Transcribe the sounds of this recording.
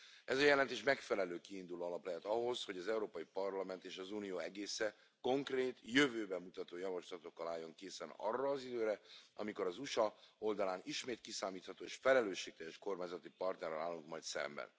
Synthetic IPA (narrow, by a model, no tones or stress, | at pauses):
ɛzɒjɛlɛnt̪eːʃmɛkfɛlɛløːkiːnd̪uloːɒlɒplɛɦɛt̪ɒɦo̞shoɟɒzɛuɾoːpɒjipɒrlɒmɛnt̪eːʃɒzunijoːɛɡeːsɛ | ko̞ŋkreːt̪jøvøːbɛmːut̪ɒt̪oːjɒvɒʃlɒt̪o̞kːɒlaːjːo̞ŋkeːsɛnɒ̰rːɒːzid̪øːɾɛʔɒ̰miko̞ɾɒzuʃɒo̞ld̪ɒlaːniʃmeːt̪kisaːmiːt̪hɒt̪oːeʃfɛlɛløːʃːeːk̚t̪ɛjɛʃko̞rmaːɲzɒt̪ipɒrt̪nɛrɛla̰ːlːuŋkmɒjt̪sɛ̰mbɛ̰n